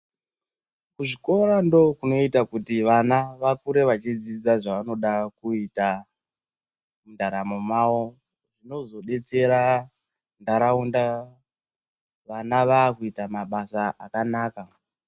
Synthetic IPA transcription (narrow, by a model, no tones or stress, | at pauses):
kuʐiko̞ɾando̞kuno̞itakutiʋanaʋakuɾe̞ʋat͡ʃid͡zid͡zaʐaʋano̞ɗakuita | mundaɾamo̞mawo̞ | ʐino̞zo̞ɗe̞t͡se̞ɾa | ndaɾaunda | ʋanaʋaːkuitamaɓasaakanaːka